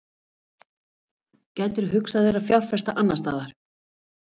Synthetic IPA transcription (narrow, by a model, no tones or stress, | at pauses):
cɛːjt̪ʏɾ̥ɦʏksaðɪɾaðfjawr̥fɛst̪aʔanːast̪a̰ːðaɾ̥